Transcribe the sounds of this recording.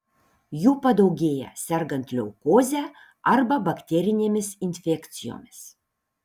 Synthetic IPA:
juːpɐd̪ɐʊɡʲeːjɛ̰sʲɛɾɡɐnt̪ʲlʲɛʊkoːzʲæː | ɐɾbɐbɐkt̪ʲɛɾʲɪnʲeːmʲɪsɪnʲfʲɛkʲt̪sʲɪjo̰ːmʲɪs

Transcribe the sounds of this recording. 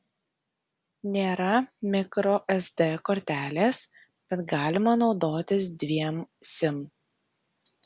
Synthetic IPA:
nʲeːɾɐmʲɪkɾoːʔɛzd̪ɛkoːɾʲt̪ʲæːlʲeːs | b̥ʲɛt̪ɡɑːlʲɪmɐnɒʊd̪oːt̪ʲɪs̬d̪ʲʋʲiɛmsʲɪm

